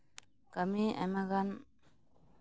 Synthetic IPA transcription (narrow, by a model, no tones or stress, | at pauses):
kəmiɛ̰maɡan